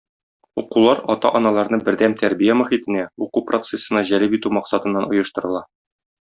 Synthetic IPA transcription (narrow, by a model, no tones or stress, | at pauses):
uqulˠɑɾɒt̪ɑ̰ʔɒnɑlˠɑɾnɤbɘ̆ɾd̪æmt̪æɾbijæmæχit̪ɘ̆næuqupro̞t̪sesɤ̆nɑʑælɘpit̪ʉmɒqsɑt̪ɤ̆nːɑnŏjɤ̆ʃt̪ɤ̆ɾɤ̆lˠɑ